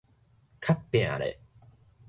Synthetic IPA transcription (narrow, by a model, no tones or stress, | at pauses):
kʰapːẽa̰ɾḛ